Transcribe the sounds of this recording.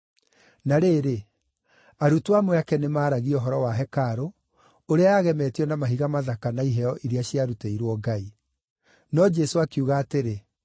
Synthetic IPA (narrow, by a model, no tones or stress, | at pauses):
naɾeːɾe | aɾutwamwɛakɛnemaːɾaɣiɔɦɔɾɔwaɦɛkaɾo | oɾeaaɣɛmɛːtiɔnamaɦiɣamaðakanaiɦɛɔʔiɾiaɕiaɾuteiɾwɔɡai | nɔd͡ʒɛsoakiuːɣaːteɾe